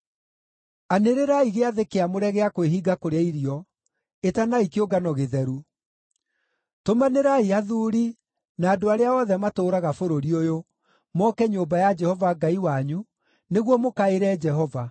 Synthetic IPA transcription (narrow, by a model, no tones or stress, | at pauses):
aneɾeɾaiɣeaðekeamoɾɛɣeakweɦiɡakoɾeaiɾiɔ | etanaikeoɡanɔɣeðɛɾu | tomaneɾaiaðuːɾi | naːdoaɾeaɔðɛmatoːɾaɣafoɾoɾiojo | mɔkɛɲombajad͡ʒɛhɔvaɡaiwaɲu | neɣwɔmokaeɾɛːd͡ʒɛɦɔva